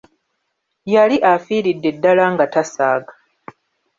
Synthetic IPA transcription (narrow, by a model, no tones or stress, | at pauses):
jaliʔafiːɾidːe̞dːalaŋɡatasaːɡḁ